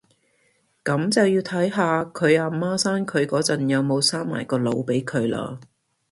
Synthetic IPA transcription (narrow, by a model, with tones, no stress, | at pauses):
kɐ˨˧˥mt͡sɐ˨wjiː˧wt̪ʰɐ˨˥jɦaː˨˧kʰɵ˨˧ɥaː˧maː˥saː˥nkʰɵ˨˧ɥkɔː˨˥t͡sɐ˨njɐ˨wmo˨˧wsaː˥ŋma̰ː˨˩jkɔː˧lo˨˧wpe˨˥jkʰɵ˨˧ɥla̰ː˧